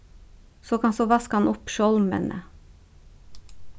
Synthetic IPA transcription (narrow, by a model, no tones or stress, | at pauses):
soːkʰɑnsoːʋɑskhɑnʔʊpʃɔlmə̰nʔə̰